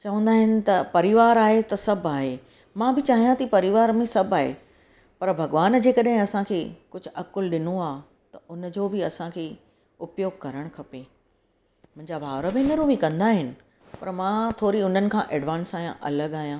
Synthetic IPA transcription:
t͡ɕɐʋə̃n̆d̪aːɦɪnɪ̆t̪ɐpɐɾɪʋaːɾaːɦet̪ɐsɐbʱaːɦe | mãbɪt͡ɕaːɦijãt̪ɐipɐɾɪʋaːɾmẽsɐbʱaːɦḛ | pɐɾbʱɐɡʋaːnd͡ʑeːkɐɗɦɪ̃ɐsãkʰeːkʊd͡ʑʱʊ̆ʔɐkʊlɗɪnoaː | t̪ɐʔʊnd͡ʑoːbɪɐsãkʰeː | ʊpjoːɡ̚kɐɾəɽ̃kʰɐpeː | mʊ̃ɦɪ̃ɲd͡ʑabʱaːʋɾəbẽnɐɾũmĩkɐ̃nd̪aːɦɪnɪ̆ | pɐɾmãːt̪ʰoːɾiʊn̤ənɪ̆kʰãːʔeːɖʋãːnsaːijã̰ʔɐ̰ləɡaːɦijãː

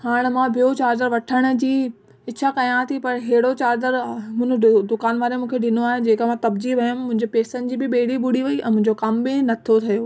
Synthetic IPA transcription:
haːɽ̃mãbʱijot͡ɕaːɾd̪əɾʋɐʈʰəɽ̃̆d͡ʑiː | ɪt͡ɕʰakɐj̃ãt̪ʰipɐɾɦeːɪɽot͡ɕaːd̪əɾmʊ̃d̪ʊkaːnʋaːɾemũːkʰeɖɪnoaːɦed͡ʑeːkamãt̪ɐbd͡ʑiʋɐjʊmːʊ̃ɦɪ̃ɲd͡ʑepeːsənɪ̆d͡ʑiːbɪɓeːɽibʊɽiʋɐiʔɛ̰̃ːmʊ̃ɦɪ̃ɲd͡ʑokɐmbɪnɐt̪ʰiot̪ʰɐjoː

